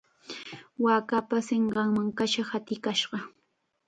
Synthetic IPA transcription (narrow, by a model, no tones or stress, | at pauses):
waːkapaseɴɢɑŋmaŋkaʃahat̪ɪkaʃɢɑ